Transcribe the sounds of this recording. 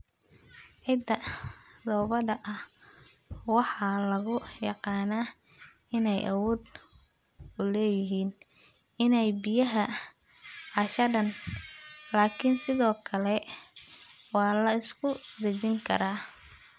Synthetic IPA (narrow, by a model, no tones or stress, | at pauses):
ʕɪd̪ɐd̪ɔːβɐɖɐʔɐh | wɑħɑlɐɣʊjɑqɑːnaː | ɪnɛjʔɐ̰wɔːd̪ | ʊlɛːjɪɦiːn | ɪnɛjbɪjɐɦɐ | ʕɑʃɐɖɐn | laːkʰɪnsɪðɔːkʰɐlɛ | wɑːlɐɪskʰʊd̪ɐt͡ʃɪŋkʰɐ̰ɾaː